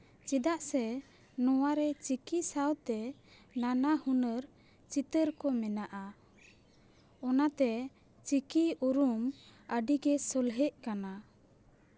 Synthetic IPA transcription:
t͡ʃid̪aʔsɛ | nɔwaɾɛt͡ʃikisawt̪ɛ | nanahunəɾ | t͡ʃit̪əɾkɔmɛnaʔa | ɔnat̪ɛ | t͡ʃikiuɾuməɖiɡɛsɔlɦɛʔkana

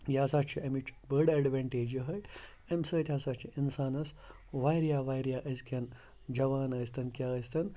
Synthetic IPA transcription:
jaːsaːt͡ʃʰiɐmit͡ʃʰbɐɖɐɖʋeɳʈeːd͡ʒiɦɐj | ɐmʲsəːt̪ʲʰjaːsaːt͡ʃʰiinsaːnɐs | ʋaːjɾijaːʋaːjɾijaːʔɐskʰɐn | d͡ʒɐʋaːnɐːst̪ɐnkʲjaːəst̪ɐn

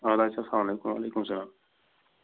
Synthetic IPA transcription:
ɐd̪aːsaslaːmɐleːkũmʋa̰ːlejkumsɐlaːm

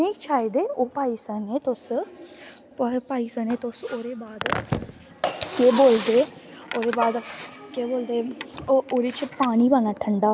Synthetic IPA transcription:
ẽːt͡ʃʰaːed̪eːoːpaːiːsəneːt̪ʊs | pːpaːiːsəneːt̪ʊsoːɾeːbaːd̪ | keːboːld̪eːoːd̪eːbaːd̪keːboːld̪eːoːɾet͡ʃʰpaːñiːbənaːʈʰəɳɖaː

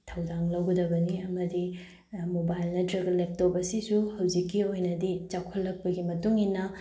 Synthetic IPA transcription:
tʰɐwdaŋlɐwɡɐdɐbɐniɐmɐdi | mobajlnɐtɾɐɡɐlep̚tobɐsisuhɐwd͡ʒikːiojnɐdit͡ʃakʰolːɐk̚pɐɡimɐtuŋinɐ

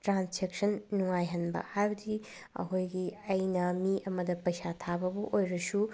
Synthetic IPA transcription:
tɾansd͡ʒek̚sɐnːuŋajɦɐnbɐ̰hajbɐdi | ɐ̰kʰojɡiɐjnɐmiʔɐmɐdɐpɐjsatʰabɐbɐʔojɾɐsu

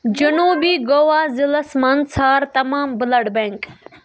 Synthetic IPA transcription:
d͡ʒɐnuːbiːɡoːʋaːzɪlɐsmɐnsaːɾt̪ɐmaːmbɪlɐɽbeŋk

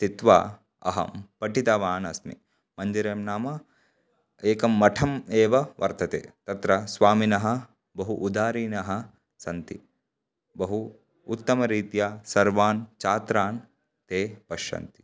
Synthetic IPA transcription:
t̪it̪ʋa̰ː | ɐ̰ɦɐ̰mpɐʈit̪ɐʋaːnɐsmḭ | mɐnd͡ʒɐɾeːmnaːmɐ | eːkɐmːɐʈʰɐmeːʋɐʋɐ̰ɾt̪ɐt̪ḛːt̪ɐt̪ɾɐsʋaːminɐɦɐ̆ | bɐɦuʔud̪aːɾiːnɐɦɐ̆ | sɐnt̪i | bɐɦuː | t̪ːɐmɐɾiːt̪jaːsɐɾʋaːnt͡ʃaːt̪ɾaːn | t̪eːpɐʃɐ̰nt̪i̥

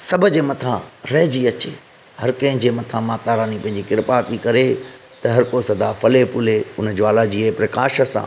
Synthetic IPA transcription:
sɐbʱʊ̆d͡ʑeːmɐt̪ʰãɾɐɦd͡ʑiɐt͡ɕeː | hɐɾkɐ̃ɦɪ̃d͡ʑeːmɐt̪ʰãmaːt̪aːɾaːnipɐ̃ɦɪ̃ɲd͡ʑikɪɾpaːt̪ikɐɾe | t̪ɐɦɐɾkosɐd̪aːfʰɐlepʊleʊnəd͡ʑoaːlad͡ʑiːpɾɐkaːʃə̆sã̰ː

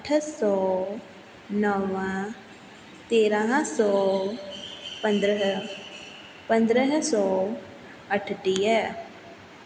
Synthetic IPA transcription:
əʈʰsɔː | nɔʋãː | t̪eːɾãɦãsɔː | pənd̪ɾəɦ | pənd̪ɾəɦsɔː | əʈʰʈiːɛː

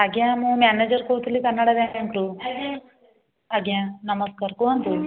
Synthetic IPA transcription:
ɐɡjãmũmaːned͡ʒɐɾkoːt̪ilːikɐnːɐɽɐd̪eɐnkɾu | ɐɡjãnɐmɐskaːɾkuɐnt̪u

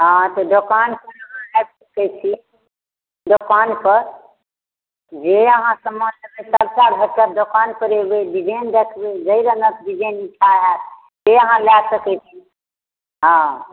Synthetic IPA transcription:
ɦãt̪ɔd̪okanpəɾəɦãɛsəkɛt͡ʃʰi | d̪okanpəɾ | d͡ʒeəɦãsəmːənləbesaɾt͡ʃaɾbʱəkəd̪okanpəɾebeɖid͡ʒend̪ekʰbed͡ʒəiɾənək̪ɖid͡ʒeniʈʰaɦɛt̪ | t̪eəɦãlasəkɛt͡ʃʰi | ɦã

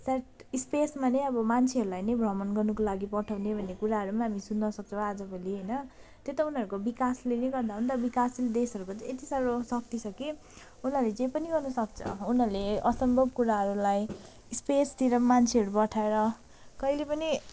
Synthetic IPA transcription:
saʈispesmanʌjʌbʌmant͡sʰeɦʌɾulajnʌjbʱrʌmʌnɡʌrnukolaɡipʌʈʰawnebʱʌnːekuɾaɦʌɾumaɦamisunːʌsʌk̚t͡sʰʌ̃ad͡zʌbʌliɦʌjnʌ | t̪jot̪ʌunɦʌɾukobikaslenʌɡʌrd̪aɦunt̪ʌbikasled̪esʌɾukot̪ʌet̪isaɾosʌk̚t̪it͡sʰʌki | unɦʌrlet͡saĩpʌniɡʌrnʌsʌk̚t͡sʰʌ̰unʌɾuleʌsʌmbʱʌbkuɾaɦʌɾulaj | spest̪iɾʌmant͡sʰeʌɾupʌʈʰaeɾʌ | kʌilepʌni

